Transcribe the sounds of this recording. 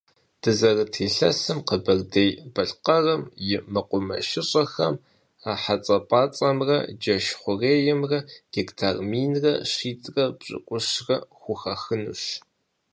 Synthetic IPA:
d̥ɨzɐrɨtʰeːɬɐsɨmqəbɐrdejbɐɬqɐrɐmjɪmɐqʷʊmɐ̰ʃɪɕʼɐxɐm | aːħat͡sʼɐpʼaːt͡sʼɐmrɐ̰d͡ʒɐʃχʷʊreːjɪmrɐɡ̥ektʰarmiːnrɐɕiːtʼrɐbɕʼɨ̰kʷʼʊɕrɐxʷʊxɐxɨnṵːɕ

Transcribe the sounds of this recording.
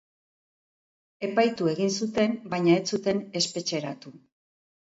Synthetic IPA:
e̞pajt̪ue̞ɣinsut̪e̞mbajɲaet͡sut̪e̞ne̞spe̞t͡ʃe̞ɾat̪u

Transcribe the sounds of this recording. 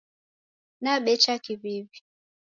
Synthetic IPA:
naɓɛt͡ʃakiβiβi

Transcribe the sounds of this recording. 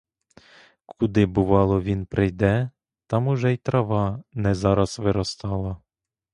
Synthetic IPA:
kʰud̪ɪbʊʋɑlˠɔʋʲinpɾɪjd̪ɛ | t̪ɑmʊʒɛjt̪ɾɐʋɑnɛzɑɾɐsʋɪɾɔst̪ɑlˠɐ

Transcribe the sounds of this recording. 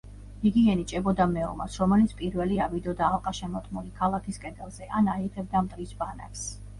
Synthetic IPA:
iɡiɛnit͡ʃʼɛbɔd̪amɛɔ̰ma̰sɾɔmɛlit̪sʰpʼiɾvɛliavid̪ɔd̪aːlˠqʼaʃɛmɔt̪ʼmulikʰalˠakʰiskʼɛd̪ɛlˠz̥ɛʔanait̪ʰɛb̚d̪amt̪ʼɾisbana̰kʰs

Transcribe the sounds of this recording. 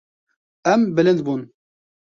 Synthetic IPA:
ɛmbɪlɨnd̪buːn

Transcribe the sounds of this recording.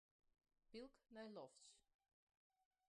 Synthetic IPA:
pilˠknajlɔft͡ɕ

